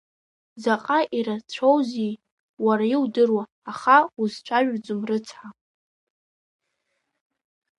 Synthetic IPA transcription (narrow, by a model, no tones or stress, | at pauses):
zaqʼaʔiɾat͡ɕʷʰowzi | waɾaiwdɨrwaːχauzt͡ʃʷʰaʒʷᶣd͡zɨmrɨt͡sʰħa